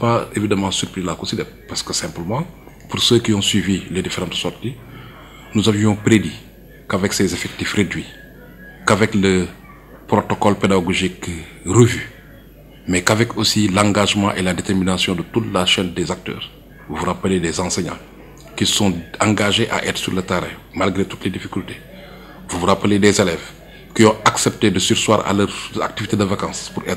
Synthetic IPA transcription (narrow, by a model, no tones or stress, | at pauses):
paevidamɑ̃syɾpɾilakosidɛppaskəsɛ̃mpləmɑ̃ | puɾsəkiɔ̃swiviledifeɾɑ̃ntsɔrti | nuzavjɔ̃pɾedi | kavɛksezefɛk̚tifredɥi | kavɛklə | pɾotɔkɔlpedaɡoʒikː | rəvy | mɛkavɛkʰosilɑ̃ŋɡaʒmɑ̰̃ʔeladeteɾminasjɔ̃dətutlaʃɛndɛzak̚tœ̰ːɾ | uvuɾapəledɛzɑ̃seɲɑ̰̃ | kisɔ̃ãŋɡaʒeʔa̰ʔɛːt̪ɾsyɾlətaɾɛ̰malɡɾetutlɛdifikylte̥ | vuvuɾapəledɛzelɛv | kiɔ̃aksɛp̚tedəsyɾswa̰ːɾa̰ləɾa̰k̚tivitedəvakɑ̃ːspuɾʔɛ̰t̪